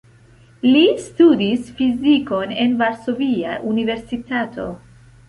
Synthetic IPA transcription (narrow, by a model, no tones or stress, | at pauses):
listudisfiziko̞ne̞nvaɾso̞viaʔunive̞ɾsitatʰo̞̰